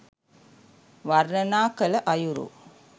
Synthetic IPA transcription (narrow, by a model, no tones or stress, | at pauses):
ʋɐɾnɐnaːkɐlɐʔɐjuɾṵ